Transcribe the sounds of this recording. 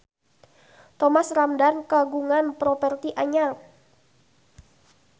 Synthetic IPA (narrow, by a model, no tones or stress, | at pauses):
t̪ɔmasramdankaɡuŋanpɾɔpɛrt̪iʔaɲal̚